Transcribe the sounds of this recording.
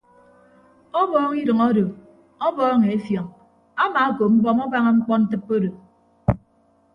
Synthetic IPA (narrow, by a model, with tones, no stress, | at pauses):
ɔ˦bɔː˦ŋi˦dɨ˨ŋo˦do˨ | ɔ˦bɔː˦ŋe˨e˦fjɔ˨ŋ | a˦maː˨˦ko˨m̩˦bɔ˦mɔ˦ba˦ŋa˦ŋ͡m̩˦k͡pɔ˦n̩˦tɨ˦pːo˦do˨